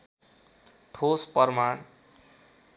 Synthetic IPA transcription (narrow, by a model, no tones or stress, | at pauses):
ʈʰospʌrmaɳ